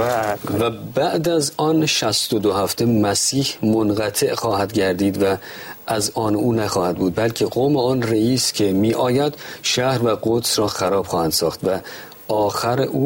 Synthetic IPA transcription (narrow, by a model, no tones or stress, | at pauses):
væbæʔd̪æzɒːnʃæst̪od̪ohæft̪emæsiːhmonɣæt̪ʰe̞ʔxɒːhæd̪ɟæɾd̪iːd̪væ | ʔæzɒːnuːnæxɒːhæd̪̚buːd̪̚bælcʰeɡoːmeɒːnreiːscʲʰe̞miːʔɒːjæd̪̥ʃæhɾvæɡot̪sɾɒːxæɾɒːb̥xɒːhænd̪sɒːxt̪væ | ɒːxæɾeʔuː